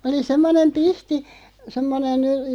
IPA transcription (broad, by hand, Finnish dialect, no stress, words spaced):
oli semːonem pihti semːonen